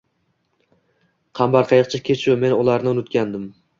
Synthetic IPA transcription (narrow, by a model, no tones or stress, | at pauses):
qʰɑmbɑɾqʰɑjɨq̚t͡ʃʰakʲʰet͡ʃʰʊme̞nʊlˠaɾnɪʊnʊt̪kʲʰand̪ɪm